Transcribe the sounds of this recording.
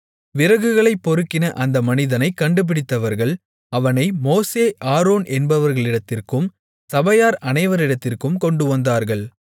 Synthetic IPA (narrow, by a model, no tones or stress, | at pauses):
ʋɪɾɐɣɯɣɐɭɐɪpːɔɾɯkːɪnɐʔɐnd̪ɐmɐnɪðɐnɐɪkːɐɳɖɯp̬ɪɽɪt̪ːɐʋɐɾɣɐɭ | ɐʋɐnɐɪmoːseːʔaːɾoːnʔɛnbɐʋɐɾɣɐɭɪɽɐt̪ːɪrkɯm | sɐbɐjaːɾɐnɐɪʋɐɾɪɽɐt̪ːɪrkɯmkɔɳɖɯʋɐnd̪aːɾɣɐɭ